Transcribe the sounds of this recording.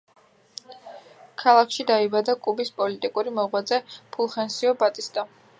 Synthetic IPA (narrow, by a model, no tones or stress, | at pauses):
kʰalˠakʰʃid̪aibad̪akʼubispʼɔlit̪ʼikʼuɾimɔʁwad̪zɛpʰulˠχɛnsiɔbat̪ʼist̪ʼa